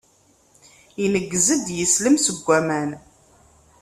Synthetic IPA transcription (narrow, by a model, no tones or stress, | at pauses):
inəɡːzəd̪jəsləmsəɡʷːæmæn